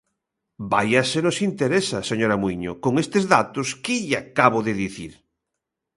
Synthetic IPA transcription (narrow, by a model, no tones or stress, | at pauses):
bajɐsenosint̪eɾesaseɲoɾɐmwiɲo̰koŋest̪ezðat̪oskɪʎakaβ̞oðeðiθiɾ